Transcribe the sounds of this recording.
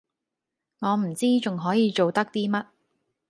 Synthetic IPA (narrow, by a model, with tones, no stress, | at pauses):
ŋɔː˨˧m̩˨˩t͡siː˥t͡sʊ˨ŋɦɔː˨˥jiː˨˧t͡ʃo˨wt̪ɐ˥k̚t̪iː˥mɐ˥t̚